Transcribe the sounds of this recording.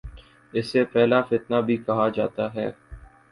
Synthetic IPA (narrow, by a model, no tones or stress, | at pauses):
ɪsːepɛɦlafɪt̪nabʱikɐɦad͡ʒa̰ːt̪aɦɛː